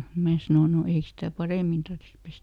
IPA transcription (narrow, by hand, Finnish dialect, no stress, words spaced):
mæː sɑnoˑ no ei stæ pɑreˑmin tɑrtːĭs pestæ